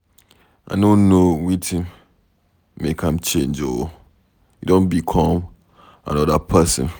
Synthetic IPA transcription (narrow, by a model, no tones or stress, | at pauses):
ʔa̰nonowitʰĩm | mekʰãmt͡ʃẽnd͡ʒo | idõnbikʰɔ̃m | ã̰nɔdapʰɛsə̰̃n